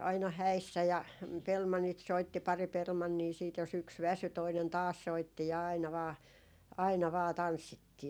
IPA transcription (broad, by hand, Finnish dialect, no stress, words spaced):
ɑinɑ hæisːæ jɑ pelmɑnːit soitːi pɑri pelmɑnːiː siːt jos yks ʋæsy toinen tɑːs soitːi ɑinɑ ʋɑː ɑinɑ ʋɑː tɑnsːitːiː